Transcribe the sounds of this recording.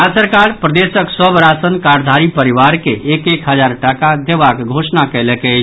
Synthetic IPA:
asəɾkaɾpɾəd̪esəksəbɾasənkaɾd̪ʱaɾipəɾiʋaɾkeʔekekɦəd͡ʒaɾʈakad̪ebakɡʱosnakɛlekɛt͡ʃ

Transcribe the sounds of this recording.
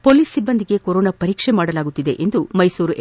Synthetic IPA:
po̞ːliːsːibːɐnd̪iɡe̞koɾoːnapɐɾiːkʂemaːɽɐlaːɡut̪ːid̪e̞ʔend̪umɐjsuːɾu

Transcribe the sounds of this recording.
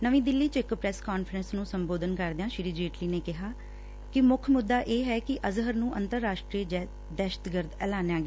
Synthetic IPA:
nəʋĩːd̪ɪlːiːt͡ʃɪkpɾɛːskaːnfʰəɾənsnũːsəmboːd̪ənkəɾd̪ejãːʃɪɾiːd͡ʒeːʈliːneːkɪɦaː | kɪmʊkʰmʊd̪ːaːʔeːɦɛːkɪʔəzɦəɾnũːʔə̰nt̪əɾːaːʃʈɾiːd͡ʒɛː | d̪ɛːʃə̥t̪ɡəɾd̪ɛːlaːnejãːɡɪɛː

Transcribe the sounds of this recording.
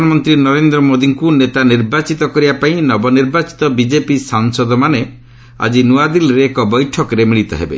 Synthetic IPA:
nɔmɔnt̪ɾinɔɾend̪ɾɔmod̪iŋkunet̪aniɾbat͡ʃit̪ɔkɔɾibapaĩnɔbɔniɾbat͡ʃi̥t̪ɔbid͡ʒepisaŋsɔd̪ɔmane | a̰d͡ʒinuad̪ilɾeːkɔbɔjʈʰɔkɔɾemiɭit̪ɔ̰ɦḛbḛ

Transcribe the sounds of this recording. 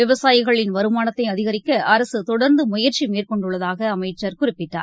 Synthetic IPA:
ʋɪʋɐsaːjɪɣɐɭɪnʋɐɾɯmaːnɐt̪ːɐɪɐðɪɣɐɾɪkːɐʔɐɾɐsɯt̪ɔɽɐɾnd̪ɯmʊjɐɾt͡ʃimeːrkɔɳɖɯɭːɐðaːɣɐːmɐɪt͡ʃːɐɾkʊrɪpːɪʈːa̰ːɾ

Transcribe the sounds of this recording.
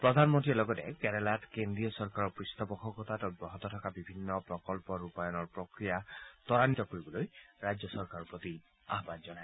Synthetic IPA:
pɹɔd̪ʱanmɔntɹiɔlɔɡɔtɛ̰kɛɾɛlatkendɹiɔsɔɹkaɹɔɹpɹist̪ɔpɔkʰɔkɔt̪atɔbɔɦɔt̪ɔtʰɔkabibʱinːɔpɹɔkɔlpɔɹupajɔnɔɹpɹokɹijat̪ɔɹantɔkoɹibɔlojɹad͡ʒjɔsɔɹkaɹɔɹpɔt̪i | aɦbanzɔnae

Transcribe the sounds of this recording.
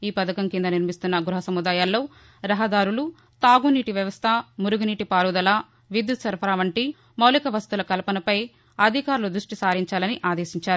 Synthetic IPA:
iːpɐd̪ɐkɐŋkind̪ɐniɾmist̪unːɐɡɾuɦɐsɐmud̪aːjaːlːo̞ː | ɾɐɦɐd̪aːɾulu | t̪aːɡuniːʈiʋjɐʋɐst̪ʰɐmuɾuɡuniːʈipaːɾud̪ɐlɐ | ʋid̪jut̪sɐɾpʰɐɾaːʋɐɳʈi | mɐwlikɐʋɐst̪ulɐkɐlɐpɐnɐpɐj | ɐd̪ʱikaːɾulud̪ɾuʂʈisaːɾiɲt͡ʃaːlɐniʔaːd̪eːsiɲt͡ʃaːɾu

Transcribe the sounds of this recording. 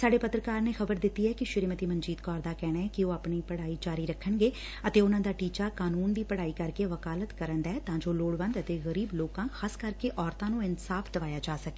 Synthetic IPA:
saːɖeːpət̪ɾəkaːɾneːxəbəɾd̪ɪt̪ːiːɛːkɪʃɪɾiːmət̪iːmənd͡ʒiːt̪kɔːɾd̪aːkɛːɽ̃aːɦɛːkɪoːapɳiːpəɽaːiːd͡ʒaːɾiːɾəkʰːəɳɡeː | ət̪eːʊnãːd̪aːʈiːt͡ʃaːkaːnuːnd̪iːpəɽaːiːkəɾkeːʋəkaːlət̪kəɾə̃nd̪aɛːt̪ãːd͡ʒoːloːɽʋə̃nd̪ət̪eːɣəɾiːbloːkãːxʰaskəɾkeːʔɔːɾt̪ãːnũːɪnsaːfʰd̪əʋaːjaːd͡ʒaːsəke̥ː

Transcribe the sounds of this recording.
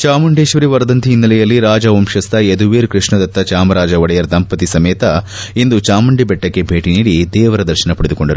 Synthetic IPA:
t͡ʃaːmɐɳɖeːʃʋɐɾiʋɐɾd̪ɐnt̪ʰiɦinːɐlɛjɐlːiɾaːd͡ʒɐʋɐmʃɐst̪ɐed̪uʋeːɾkɾiʂɳɐd̪ɐt̪ːɐt͡ʃaːmɐɾaːd͡ʒɐʋɐɽɐjɐɾd̪ɐmpɐt̪isɐmeːt̪ɐ | ind̪ut͡ʃaːmɐɳɖibɛʈːɐkːe̞bʱeːʈiniːɽid̪ɛːʋɐɾɐd̪ɐɾʃɐnɐpɐɽed̪uko̞ɳɖɐɾu

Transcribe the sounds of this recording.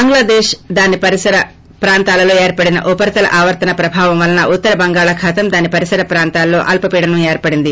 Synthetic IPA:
bɐŋɡlaːd̪eːʂd̪aːnipɐɾisɐɾɐ | pɾaːnt̪aːlɐlo̞ːeːɾpɐɽinɐ̰ʔupɐɾt̪ɐlɐ̰ʔaːʋɐɾt̪ɐnɐpɾɐbʱaːʋɐmʋɐlɐnɐʔut̪ːɐɾɐbɐŋɡaːɭɐkʰaːt̪ɐmd̪aːnːipɐɾisɐɾɐpɾaːnt̪aːlːo̞̰ːʔɐlpɐpiːɽɐnueːɾpɐɽind̪i

